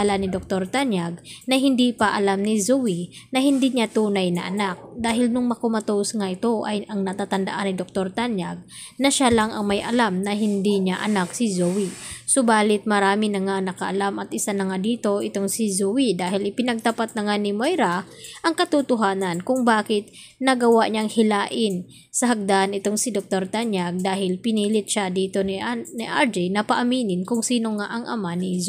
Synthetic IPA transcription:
lɐnɪd̪ok̚t̪o̞ɾt̪anjaɡ̚nɐɦɪnd̪iːpɐʔɐlamnɪzuwinɐɦɪnd̪iɲat̪uːnɐjnɐ̰ʔɐnak̚d̪aːɦɪlnʊŋmɐkomɐt̪osŋaʔɪt̪o̞ʔɐjʔɐŋnɐt̪aːt̪ɐnd̪ɐ̰ʔanːɪd̪ok̚t̪o̞ɾt̪anjaɡ̚ | nɐʃalaŋɐ̰ŋmɐjʔɐlamnɐɦɪnd̪iɲaʔɐnaksɪzowisobaːlɪt̪̚mɐɾaːmɪnɐŋanɐkɐʔɐlamʔɐt̪̚ʔɪsanɐŋad̪iːt̪o̞ʔɪt̪o̞ŋsɪzowid̪aːɦɪlɪpɪnɐɡ̚t̪ɐpat̪̚nɐŋanɪmojɾa | ʔɐŋkɐt̪ut̪ʊɦaːnɐnkʊŋbaːkɪt̪̚ | nɐɡɐwaʔɲaʔŋhɪlaːʔɪn | sɐɦɐɡ̚d̪aʔanɪt̪o̞ŋsɪd̪ok̚t̪o̞ɾt̪aɲjaɡ̚d̪aːɦɪlpɪniːlɪt̪̚ʃad̪iːt̪o̞niniʔaɹd͡ʒɛjnɐpɐʔɐmiːnɪnkʊŋsiːno̞ŋaʔɐŋʔɐmanɪz

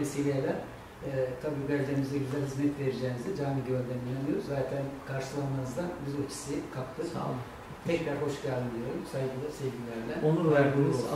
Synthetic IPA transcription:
ɛsevʲijelʲæɾ | t̪ʰabiːɡælʲeɾimizd̪ɛɡizʲd̪ʲɛɾhɯzmɛt̪ve̞ɾid͡ʒɛːnizd̪ɛd͡ʒaːmiɟøɾd̪ɛninʲamɯjo̞ɾuzzaːt̪ʰænkʰaɾʃɯlˠanmanɯzd̪anbizot͡ʃʰi̥sikʰap̚t̪ʰɯk | p̪ʰɛcb̪æɾɦo̞ʃɡad̪ɯnd̪ijoɾumsajɡɯlˠasevɟʲilʲæɾlʲɛonuæɾd̪iːniz

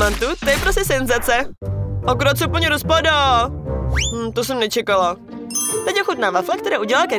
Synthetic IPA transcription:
ant̪ut̪ojɛpɾoscɛsɛnzat͡sɛʔokɾot͡sɛpl̩ɲɛɾospoda | mm̩t̪os̬ɛmnɛt͡ʃɛkala | t̪ɛcjɛxut̪̚navaflakt̪ɛɾɛːuɟɛlalkɛ

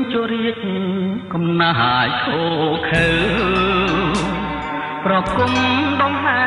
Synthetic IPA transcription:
t͡ɕuəɾiək̚ | kɑmnaɦajkʰoːkʰɨw | prɑkuŋɗɑŋɦa

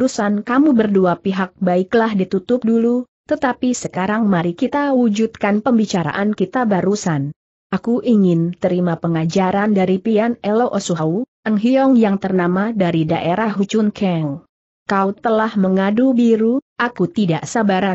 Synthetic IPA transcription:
ɾusankamubərduapiɦak̚baɪklahdit̪ut̪ʊp̚dulu | t̪ət̪apisəkaɾaŋmaɾikit̪awud͡ʒut̪̚kanpəmbit͡ʃaɾa̰ʔankit̪abaɾusan | ʔakuʔiŋɪnt̪əɾimapəŋad͡ʒaɾandaɾipianɛloʔosuɦauʔəŋɦiɔŋjaŋt̪ərnamadaɾidaʔeɾaɦut͡ʃunkʰɛl | kaut̪əlahməŋadubiɾuʔakut̪idaʔsabaɾa

